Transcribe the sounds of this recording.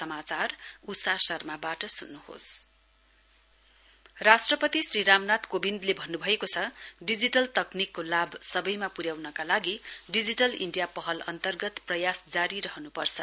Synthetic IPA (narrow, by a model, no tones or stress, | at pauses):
sʌmat͡sarusasʌrmabaʈʌsunːuho̰s | rasʈrʌpʌt̪isriɾamnat̪kobind̪lebʱʌnːubʱʌekot͡sʰʌɖid͡ziʈʌlt̪ʌknikːolabsʌbʌjmapuɾjawnʌkalaɡiɖid͡ziʈʌlḭɳɖijapʌɦʌlʌ̰nt̪ʌrɡʌt̪prʌjasd͡zaɾiɾʌɦʌnupʌrt͡sʰʌ